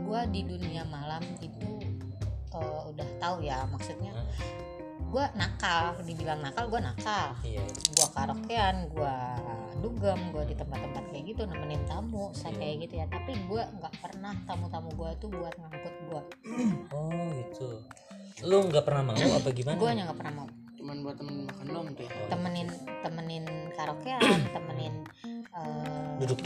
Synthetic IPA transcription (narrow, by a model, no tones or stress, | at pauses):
ɡuadiduniamalamit̪u | əudaht̪aujamaksut̪̚ɲa | ɡuanakaldibilaŋnakalɡuanakahiaɡuakaɾokeanɡua | duɡəmɡuadit̪əmpat̪ːəmpat̪̚jaɡit̪unamaɲat̪amʊʔsakajɡit̪ujat̪apiɡuaʔŋɡaʔpərnaht̪amut̪amuɡuait̪ubuat̪̚naŋkʊt̪̚ɡua | ɔɡit̪u | loŋɡaʔpərnahmauapaɡimanɡuaɲaŋɡaʔpərnahmau | t͡ʃumanɡuat̪əmənɪnmakandamt̪ʊt̪əmənɪnt̪əmənɪnkaɾokeant̪əmənɪnədudʊk̚